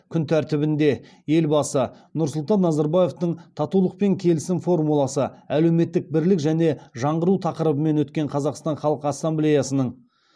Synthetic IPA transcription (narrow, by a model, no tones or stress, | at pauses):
kʲʰʏnt̪ʰæɾt̪ɪbɪnd̪e̞ | je̞lbɑsə | nʊɾsʊlˠt̪ɑnːɑzɑɾbaje̞ft̪əɴt̪ʰɑt̪ulˠəq̚pe̞ŋkʲʰe̞lɪsɪmfo̞rmulˠɑsəæle̞wme̞t̪ːɪk̚bɪɾlɪkʒæne̞ʒɑɴʁəɾut̪ʰɑqəɾəbəme̞nwɵt̪̚kʲe̞ɴqʰɑzɑqst̪ɑɴχɑlˠəqəɑsːamblejasənəɴ